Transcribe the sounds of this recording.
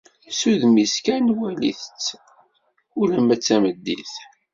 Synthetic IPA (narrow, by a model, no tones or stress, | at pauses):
suðmiskænwælḭθət͡sː | ʊlæmæt͡sːæməd̪ːḭθ